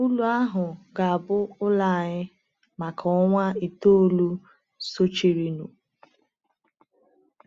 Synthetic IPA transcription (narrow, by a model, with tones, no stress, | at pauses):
u˦lu˦a˦ɦʊ˨ɡa˨a˨bʊ˦ʊ˦la˦˨ɲɪ˦ | ma˨kʰɔ˦ŋʷa˦i˨to˦lu˦ | so˦t͡ʃi˨ɾi˨nṵ˨